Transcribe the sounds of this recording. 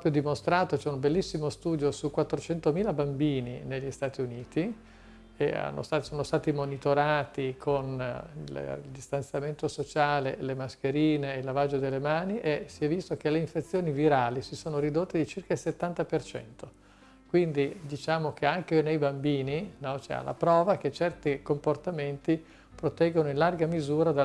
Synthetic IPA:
pɔpɾjod̪imost̪ɾaːt̪ot͡ʃɛumbelːisːimost̪uːd̪josukːwat̪ːɾot͡ʃɛnt̪omiːlabambiːnineʎːist̪aːt̪iuniːt̪i | ea̰nːo̰st̪at̪soːnost̪aːt̪imonit̪oɾaːt̪ikʰonlld̪ist̪ant̪sjament̪osot͡ʃaːlḛlemaskeɾiːneilːavad͡ʒːod̪elːemaːniʔesiɛvːist̪ok̟eleiɱfet̪sːjoːniviɾaːlisisoːnoɾid̪ot̪ːed̪it͡ʃirkailset̪ːant̪apert͡ʃɛ̰nt̪o | kwind̪id̪it͡ʃaːmok̟eaŋkenejbambiːninɔt͡ʃɛ̰a̰lːa̰pɾɔːvaket͡ʃːɛrt̪ikomport̪ament̪i | pɾot̪ɛɡːonoinlarɡamizuːɾad̪a

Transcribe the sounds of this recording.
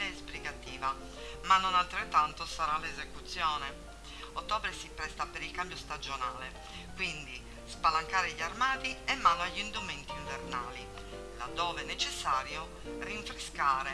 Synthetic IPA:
ɛːspliɡat̪iːva | manːɔnalt̪ɾet̪ːant̪osaɾalezekut̪sːjɔːnɛ | ot̪ːɔːbɾesipɾɛst̪apeɾilkambjost̪ad͡ʒonaːle | kwind̪i | spalaŋkaːɾeʎarmaːt̪iɛmːanːoaʎːind̪ument̪iɱvernaːli | la̰d̪ːɔːvɛnːet͡ʃesːaːɾjo | riɱfɾeskaːɾe

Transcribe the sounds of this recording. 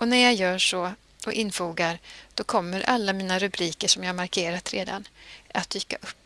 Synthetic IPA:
ɔnæɾjaɡjœːʂɔ | ʔɔʔɪnfuːɡaɾd̪̥ɔkʰɔmːəɾʔalːamiːnaɾɵbɾiːkəʂɔmjaːhaɾmaɾkʰeːɾat̪ɾeːd̪a̰nʔat̪̚d̪yːka̰ʔɵpː

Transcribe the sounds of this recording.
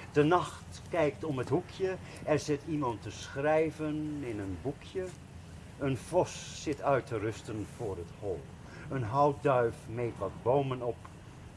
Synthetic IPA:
d̥ənɑχt | kɛjktɔməthukʰjə | ɛrzɪtʰimɑntəsχrɛjvənɪnənbukʰjə | ənfɔsːɪtœɥtərʏstənv̥ʊːrətholˠ | ənɦɑwt̚dœɥfmejtʋɑtbowmənɔp

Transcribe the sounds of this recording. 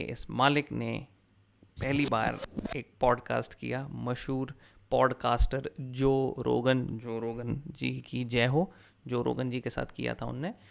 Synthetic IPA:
ɪ̰smaːlɪknḛ | pɛɦliba̰ːɾeːk̚pɔːɖka̰ːsʈkḭjamɐʃɦuːɾ | pɔːɖkaːsʈəɾd͡ʒoːɾo̰ːɡənd͡ʒoːɾoːɡənd͡ʒḭkid͡ʒɛːɦo | d͡ʒoːɾo̰ːɡənd͡ʒikesa̰ːt̪ʰkḭja̰t̪ʰaʊ̰nːe

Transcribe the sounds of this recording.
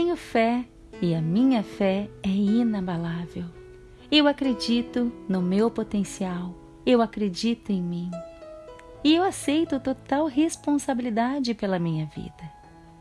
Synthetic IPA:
t̪ẽɲʊfɛ | ɪɐmĩɲɐfɛɛinabalavew | ewakɾed͡ʒit̪ʊnʊmewpot̪ẽsiaw | ewakɾed͡ʒit̪ʊẽj̃mĩ | ɪewasejt̪ʊt̪ot̪awɦespõsabilid̪ad͡ʒɪpelɐmĩɲɐvḭd̪ɐ

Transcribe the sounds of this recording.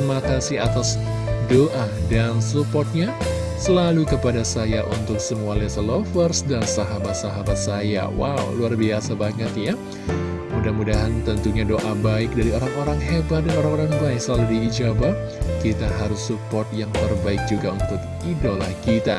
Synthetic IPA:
makasiat̪as | doʔadansupɔrt̪̚ɲa | səlalukəpadasajaʔṵnt̪ʊk̚səmualɛsəlofərsdansaɦamat̪saɦamat̪̚saja̰wa̰wluarbiasabaŋət̪ja | mudahmudaɦant̪ənt̪uɲadoʔabaɪk̚daɾioɾaŋoɾaŋɦebat̪̚danoɾaŋoɾaŋbaɪk̚səlaludiːd͡ʒaba | kit̪aɦaɾʊsːupɔrt̪̚jaŋt̪ərbaɪk̚d͡ʒuɡaunt̪ʊk̚ | idola̰hkit̪a̰

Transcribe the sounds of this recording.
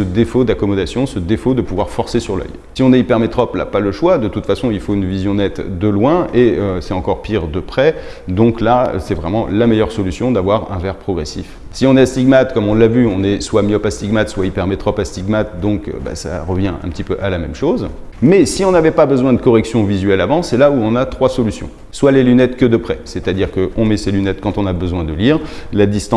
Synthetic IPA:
səd̪efod̪akɔmɔd̪asjɔ̃səd̪efod̪əpuvwaʁfɔʁsesyʁlœ̰j | siɔ̃nɛipɛʁmet̪χɔpla̰paləʃwad̪ət̪ut̪fasɔ̃ilfoynvizjɔ̃nɛt̪d̪əlwɛ̃eøsɛt̪ɑ̃kɔʁpiʁd̪əpχɛ | d̪ɔ̃klaə̰sɛvʁɛmɑ̃lamɛjœʁsɔlysjɔ̃d̪avwaʁɛ̰̃vɛʁpχɔɡʁesḭfsiɔ̃nɛast̪iɡmat̪kɔmɔ̃lːavyɔ̃nɛswamjøpast̪iɡmat̪swaipɛʁmɛt̪χɔpast̪iɡmat̪̚d̪ɔ̃kø̰ba̰sa̰ʁəvjɛ̃ʔɛ̰̃pət̪ipøʔalamɛmʃoz | mɛsiɔ̃navɛpabəzwɛ̃d̪əkɔʁɛksjɔ̃vizɥɛlavɑ̃sɛlauɔ̃nat̪χwasɔlysjɔ̰̃ | swalelynɛt̪kəd̪əpχɛsɛt̪ad̪iʁkəʔɔ̃mɛselynɛt̪kɑ̃t̪ɔ̃nabəzwɛ̃d̪əliːʁlad̪ist̪ɑ̃

